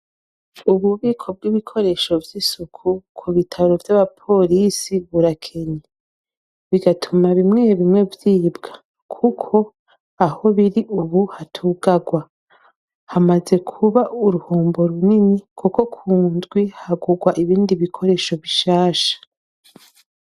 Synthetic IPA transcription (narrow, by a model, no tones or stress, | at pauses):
uβuβiːkʰo̞b̚ɡiβikʰo̞ɾe̞ʃo̞vjisukʰukʰuβitʰaɾo̞vjaβapʰo̞lisiβuɾakʰeɲe | βiɡatʰumaβimŋeːβimŋe̞vjiːbɡ̥ḁ | kʰukʰo̞ | aho̞βiɾiʔuβuhatʰuːɡaɡwa | hamaze̞kʰuβaʔuɾuhuːmbo̞ɾuninikʰuko̞kʰuːnzɡwihaɡuɡwaʔiβiːndiβikʰo̞ɾe̞ːʃo̞βiʃaːʃḁ